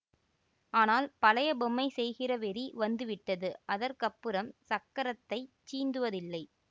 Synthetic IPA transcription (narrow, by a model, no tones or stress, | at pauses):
aːnaːlpɐlɐjɐbɔmːɐɪsɛjɣɪrɐʋɛɾiʋɐnd̪ɯʋɪʈːɐðɯʔɐðɐɾkɐpːɯɾɐmsɐkːɐɾɐt̪ːɐɪt͡ʃiːnd̪ɯʋɐðɪlːɐɪ